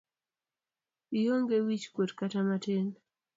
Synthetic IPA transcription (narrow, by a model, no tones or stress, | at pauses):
ijoŋɡewit͡ʃkwotkatamaten